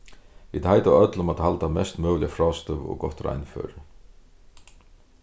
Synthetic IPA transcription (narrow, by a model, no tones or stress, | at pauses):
ʋiːd̪hajt̪aœt̪lʊmat̪halt̪amɛst̪mœːwlɪafɾɔːst̪ʏʋɔ̰ɡɔht̪ɾa̰jnfø̰ːɾɪ